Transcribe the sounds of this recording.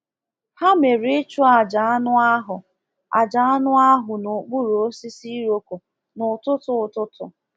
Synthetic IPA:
ha˦me˨ɾi˦t͡ʃu˦a˨d͡ʒa˨a˦nʊ˦a˦ɦʊ˨ | a̰˨d͡ʒa˨˦a˦nʊ˦a˦ɦʊ˨nʊ˨k͡pu˦ɾo˦si˦si˦ɾo˦ko˨ | nʊ˨tʊ˦tʊ˨tʊ˦tʊ̰˨

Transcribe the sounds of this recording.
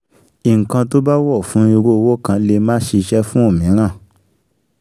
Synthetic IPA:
i˨ŋ̩˨kã˧t̬o˦ba˦wɔ˦˨fũ˨˦i˧ɾo˦˧wo˦kã˧le˧mãː˦ʃe˧ʃɛ˦fũ˦o˦˨mĩ˨˦ɾ̃ã˦˨

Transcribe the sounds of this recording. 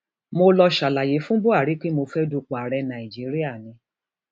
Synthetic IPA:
mo˧lɔ˧ʃa˨la˨je˨˦fũ˦bo˦a˦˨ɾi˨˦k͡pe˦mo˧fɛ˦du˧k͡po˨a˨ɾɛ˧nã˨i˨d͡ʒi˨˦ɾi˦a˦˨nĩ˧˦

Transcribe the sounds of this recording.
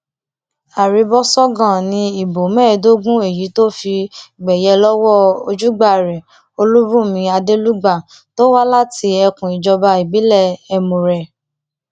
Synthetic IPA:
a˨ɾi˨˧bɔ˦sɔ˦ɡã˦˨nĩ˧i˨bo˨mɛ̃ː˦˨do˦ɡũ˦e˨ji˨˦to˦fi˧ɡ͡bɛ˨jɛ˧lɔ˦wɔ˦˨o˧d͡ʒu˦ɡ͡ba˦˨ɾɛ˨ | o˧lu˦bũ˦˨mĩ˧˦a˧de˦lu˦ɡ͡ba˦˨ | to˦wa˦la˦ti˧ɛ˧kũ˨i˨d͡ʒɔ˧ba˧i˨bi˨˦lɛ˦˨ɛ˧mũ˨ɾɛ˨

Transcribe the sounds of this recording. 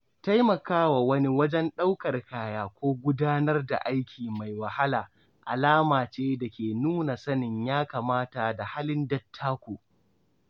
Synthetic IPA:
ta˦jmɐ˨kaː˦wa˨wɐ˦ni˦wɐ˦d͡ʒɛ˦nɗa˦wkɐ˨rkaː˨jaː˨kʷoː˦ɡʷʊ˦daː˦nɐ˦rda̰˨ʔa˦jkʲiː˨ma˨jwɐ˨ha˦laː˨ | ʔa̰˨laː˦maː˨t͡ʃeː˦da˨kʲeː˨nuː˦na˨sɐ˦nɪ˨ɲjaː˦kaː˨maː˦ta˨da˨ha˦lɪ˦ndɐ˦tʰːaː˦kʷoː˨

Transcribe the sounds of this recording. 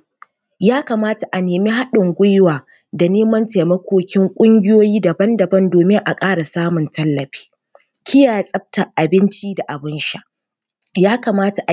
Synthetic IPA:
jaː˦ka˨maː˦ta˨ʔa˨neː˨mi˦ɦa˦ɗɪ˨ŋɡʷʊ˦jwaː˨ | da˨neː˦mɐ˦nte˨mɐ˦kʷoː˦kʲɪ˦ŋkʷʼʊ˦ŋɡʲɪ˦joː˦jiː˦dɐ˨bɐ˦ndɐ˨bɐ˦ndoː˨mɪ˦ŋʔa˨kʼaː˦ɽa˨saː˦mʊ˨ntɐ˦lːɐ˨ɸi̥ː˦ | kʲɪ˦jaː˨ja˦˨sʼɐ˦b̚tɐ˨ʔa˨bɪ˦nt͡ʃi˦da˨ʔa˨bɪ˦nʃa˦ʔ | jaː˦ka˨maː˦ta˨ʔ

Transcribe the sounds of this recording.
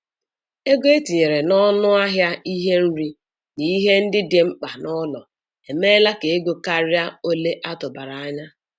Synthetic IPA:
e˦ɡe˦e˦ti˨ɲe˨ɾe˨nɔ˦nʊ˦a˦ɦja˦i˦ɦe˦n̩˦ɾi˦ | ni˨i˦ɦe˦n̩˦dɪ˦de˨ŋ͡m̩˦k͡pa˨nɔ˦lɔ˨ | e˨me˦la˦ke˨e˦ɡo˨ka˦ɾja˦o˦le˦ʔa˦tʊ˨ba˨ɾa˨a˦ɲa˦

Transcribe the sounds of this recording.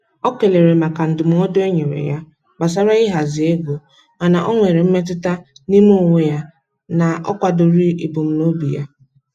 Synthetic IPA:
ɔ˦ke˨le˨ɾe˨ma˨ka˨n̩˨dʊ˨m̩˨ŋɔ˦do˦e˦ɲe˨ɾḛ˨ja˦ | ba˨s̬a˦ɾa˦ɪ˦ɦa˨zɪ˨e˦ɡo˨ | a˨na˨ʔɔ˦ŋʷe˨ɾe˨m̩˦me˦t̬ɪ˦ta˦ni˦m˦o˦˨ŋʷe˦ja˦ | na˨ʔɔ̰˦kʷa˨dʊ˨ɾi˦i˨bʊ˨m̩˦no˦bḭ˨ja˦

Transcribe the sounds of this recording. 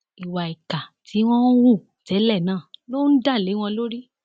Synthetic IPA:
i˨wa˨i˨ka˨ti˨˦w̃ɔ̃˦wũ˦˨tɛ˨˦lɛ˦˨nãː˦˨lo˦n̩˦da˦˨le˨˦w̃ɔ̃˧lo˦ɾi˦

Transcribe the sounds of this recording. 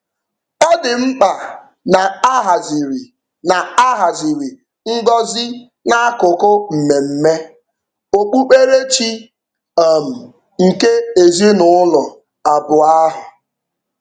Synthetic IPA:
ɔ˦dɪ˨m̩˦k͡pa˨ | na˨a˦ɦa˨zi˨ɾi˨ | na˨a˦ɦa˨zi˨ɾi˨ | ŋ̩˦ɡɔ˦zɪ˦ | na˦a˦kʊ˨kʊ˦m̩˨me˨m̩˦me˦ | o˨k͡pu˦k͡pe˦ɾe˦t͡ʃi˦ | a˨m̩˨ | ŋ̩˨ke˦e˨zi˦nʊ˨ʊ˦lɔ˨ | a˨bʊ˨a˦ɦʊ˨

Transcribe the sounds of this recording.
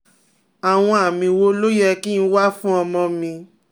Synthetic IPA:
a˨w̃ɔ̃˧a˨mĩ˧wo˦lo˦jɛ˧ki˦n̩˦˧˦wa˦fũ˦ɔ˧mɔ̃˧mĩ˧

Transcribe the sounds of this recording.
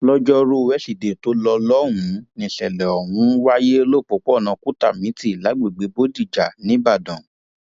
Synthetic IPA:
lɔ˦d͡ʒɔ˦ɾu˦˧wɛ˦ʃi˨de˨to˨˦lɔ˧lɔ˦ɾũ˨˧˦nĩ˨ʃɛ˨lɛ˨ɔ˨wũ˧˦wa˦je˦o˧lo˦˨k͡po˨˦k͡pɔ˦˨nã˧ku˦ta̰˦˨mĩ˨˦ti˦˨la˨˦ɡ͡be˦˨ɡ͡be˨˧˦bo˦di˦˨d͡ʒa˨nĩ˨˦ba˦˨dɔ̃˨

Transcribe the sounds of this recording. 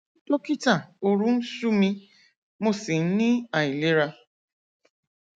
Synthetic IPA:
to˦ki˦ta˨o˨ɾu˦n̩˦su˦mi˦ | mo˦si˨n̩˦ni˦a˨i˨li˦ɾa˦

